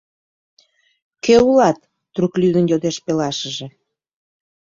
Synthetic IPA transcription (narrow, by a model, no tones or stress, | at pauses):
keulɑt̪ː | ruklyd̪ənjod̪eʃpelɑʃəʒe